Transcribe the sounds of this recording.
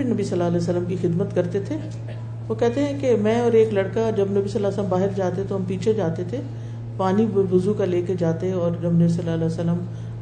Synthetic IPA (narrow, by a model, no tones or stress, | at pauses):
inɐbisɐlːaːlɛːsəlːəmkixɪd̪mət̪kɐɾt̪et̪ʰeː | ʋoːkɛɦt̪eɦɛ̃kemɛ̃ɔːɾeːklɐɽkad͡ʒɐbnɐbisɐlːaːsələmbaːɦɪɾd͡ʒaːt̪ẽt̪oɦɐmpiːt͡ʃʰed͡ʒaːt̪et̪ʰe | paːnibʊzukaleːked͡ʒaːt̪eɦɛ̃ɔːɾd͡ʒɐbnɐbisɐlːaːlɛːsəlːəm